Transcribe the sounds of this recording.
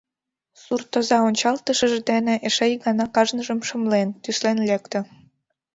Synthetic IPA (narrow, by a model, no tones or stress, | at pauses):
surt̪əzɑonʲt͡ɕɑlt̪əʃəʒd̪enĕʔeʃejɣɑnɑkɑʒnəʒə̆mʃə̆mlent̪yslenlekt̪ə̆